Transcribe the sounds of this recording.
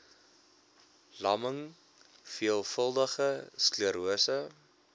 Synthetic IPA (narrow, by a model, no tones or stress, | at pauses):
lɐməŋ | fiəlˠfəlˠdəχəskluəɾuəsə